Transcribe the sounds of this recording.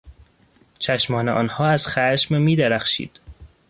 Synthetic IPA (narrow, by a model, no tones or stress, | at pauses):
t͡ʃʰæʃmɒːneʔɒ̰ːnhɒːæz̥xæʃmemiːd̪æɾæxʃḭːd̪̥